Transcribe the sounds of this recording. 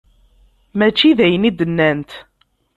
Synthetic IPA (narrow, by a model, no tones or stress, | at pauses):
mæt͡ʃːiðæjənid̪ənːænt̪